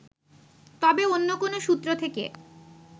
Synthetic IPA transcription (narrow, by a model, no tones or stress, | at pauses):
t̪ɔbeonːokonoʃut̪ːɾot̪ʰekḛ